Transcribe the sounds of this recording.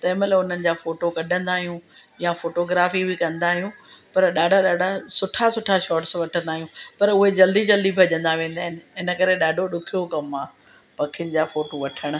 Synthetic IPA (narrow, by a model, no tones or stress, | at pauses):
t̪ɛːməlʊn̤ənɪ̆d͡ʑaːfoːʈokɐɗʱə̃nd̪aːɦijũjafoːʈoːɡɾaːfibɪkɐ̃nd̪aːɦijũːpɐɾɗaːɖʱaɗaːɖʱasʊʈʰasʊʈʰaʃɔːɾʈsʋɐʈʰə̃nd̪aːɦijũpɐɾʊɦed͡ʑɐld̪id͡ʑɐld̪ibʱɐd͡ʑə̃nd̪aʋẽːnd̪aːɦɪnɪ̆ɪnə̆kɐɾeɗaːɖʱoɗʊkʰijokɐma | pɐkʰijʊnɪ̆d͡ʑaːfoːʈoʋɐʈʰəɽ̃̆